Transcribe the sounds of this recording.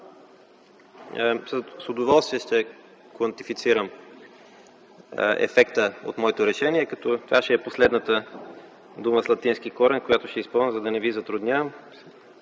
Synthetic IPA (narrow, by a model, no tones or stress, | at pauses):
ssod̪ovɔlˠst̪viɛʃt̪ɛ | kvɐnt̪ifit̪siɾəm | ɛ̰fɛkt̪əo̰t̪mɔɛt̪oɾɛʃɛniɛkɐt̪ɔt̪ovaʃɛːposlɛd̪nət̪ə | d̪uməslˠɐt̪insk̟ikɔɾɛnkojat̪ʊʃt̪ɛispəlˠnəzɐd̪ɐnɛvizɐt̪ɾʊd̪nʲavəm